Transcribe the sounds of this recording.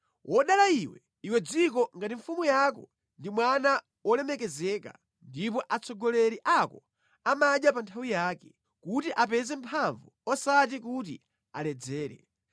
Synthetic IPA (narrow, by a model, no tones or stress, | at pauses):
wʔɔɗalaiwɛ | iwɛd͡zikɔŋɡatiɱfumujakɔ | ndimwana | wɔlɛmɛkɛzɛka̰ | ndipɔʔat͡sɔɡɔlɛɾiʔakɔ | amaɗjapantʰawijaːkɛ | kutiʔapɛzɛmpʰaɱvuɔsatik̬ut̬ḭ | a̰lɛd͡zɛːɾɛ̰